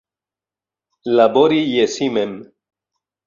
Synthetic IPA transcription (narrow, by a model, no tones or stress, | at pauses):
laboɾijesimem